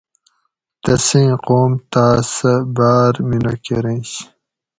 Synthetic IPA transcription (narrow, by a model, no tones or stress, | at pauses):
t̪ɐsĩj̃qoːmt̪aːsɐbaːɾminɐkeɾẽːɕ